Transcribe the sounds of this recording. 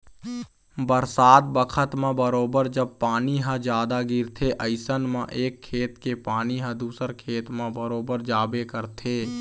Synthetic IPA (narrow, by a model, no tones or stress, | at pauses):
bəɾsaːd̪bəkʰət̪mãbəɾoːbəɾd͡ʒəb̚paːniɦə̃d͡ʒjaːd̪aɡɪɾt̪ʰeʔɐɪsənmãʔeːkʰːeːt̪kepaːniɦɐ̃d̪uːsəɾkʰeːt̪mãbəɾoːbəɾd͡ʒaːbekəɾt̪ʰeː